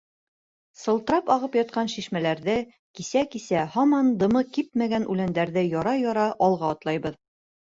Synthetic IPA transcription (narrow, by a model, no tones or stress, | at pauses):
sɤ̆lˠt̪ɤ̆ɾɑpɒʁɤpjɒt̪̚qɑnʃiʃmælæɾðɘ | kisækisæhɒmɑnd̪ɤ̆mɤkip̚mæɡænʔʉlænd̪æɾðɘjɒɾɑjɒɾɑʔɒlˠʁɑːt̪lˠɑjbɤð